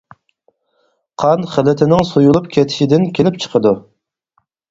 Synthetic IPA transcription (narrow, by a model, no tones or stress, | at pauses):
qʰɑnχəlɪt̪ʰɪnɪŋsujulˠupkʲʰɛt̪ʰɪ̥ʃid̪ɪnkʲʰelɪp̚t͡ʃʰə̥qʰəd̪u